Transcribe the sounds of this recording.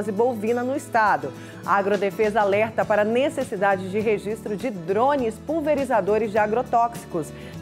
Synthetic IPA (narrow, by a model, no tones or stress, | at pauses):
zɪbowvĩnɐnʊist̪ad̪ʊ | ɐaɡɾod̪efezɐalɛɾt̪ɐpaɾɐnesesid̪ad͡ʒɪd͡ʒɪɦeʒist̪ɾʊd͡ʒɪd̪ɾõnɪspuwveɾizad̪oɾɪzd͡ʒɪaɡɾot̪ɔksi̥kʊs